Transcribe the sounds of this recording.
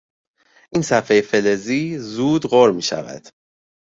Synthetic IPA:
ʔiːnsæfejefe̞leziːzuːd̪ɢoɾmiːʃæ̰væ̰d̪̥

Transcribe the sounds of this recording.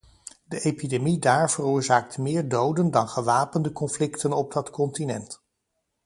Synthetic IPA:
dəʔejpidemidaːɹv̥ərʊːɹzaːk̚tmɪːɹdowdəndɑnχəʋaːpəndəkɔnflɪktənɔb̚dɑtkɔntinɛ̰nt

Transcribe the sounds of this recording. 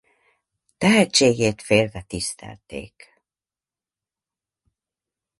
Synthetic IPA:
t̪ɛɦɛt͡ʃːeːɡeːt̪feːlvɛt̪ist̪ɛ̰lt̪ḛːk

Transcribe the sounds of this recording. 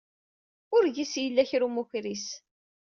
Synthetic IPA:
ʊɾʝisjəlːæçɾumuçɾis

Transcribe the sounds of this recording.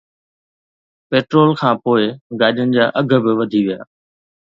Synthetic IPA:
peːʈɾoːlkʰãːpoːɪɡaːʄənɪ̆d͡ʑaːʔɐɡʱəbɪʋɐd̪ʱiʋija̰ː

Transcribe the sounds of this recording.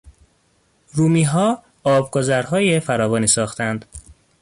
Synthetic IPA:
ɾuːmiːɦɒː | ɒːbɡozæɾɦɒːjefæɾɒːvɒːniːsɒːxt̪ʰænd̪̥

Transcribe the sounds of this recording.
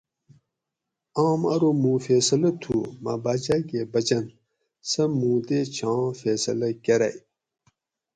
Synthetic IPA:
aːmɐɾomũːfeːsɐlɐt̪ʰuma̰baːd͡ʑakeːbɐd͡ʑɐn | sɐmũːd̪et͡ɕʰãːfeːsɐlɐkɐɾɐ̰j

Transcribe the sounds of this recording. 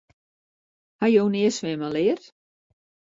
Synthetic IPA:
hajownɪːsʋɪːmalɪːr

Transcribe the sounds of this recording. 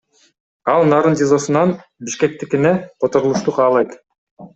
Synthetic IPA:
ɑlˠnɑːɾɯntʲezo̞sunɑnbiʃke̞k̚t̪ikineqʰot̪o̞ɾulˠuʃt̪uqʰɑːlˠɑjt̪

